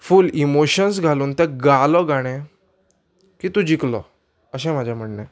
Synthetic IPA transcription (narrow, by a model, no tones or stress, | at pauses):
fuːlimoɕənsɡʱaluːnt̪eɡalɔɡaɽ̃ɛ̃ | kiːt̪ũd͡ʑiklɔ̰ | əɕ̬ɛ̃m̤ad͡ʑʱjam̤əɳnɛ